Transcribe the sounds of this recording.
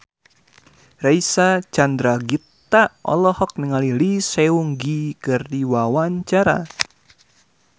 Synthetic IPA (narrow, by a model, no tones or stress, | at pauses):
raisat͡ʃandɾaɡit̪ːaʔɔ̰lɔhɔk̚niŋalilisɛuŋɡikɨrdiwawaɲt͡ʃaɾa̰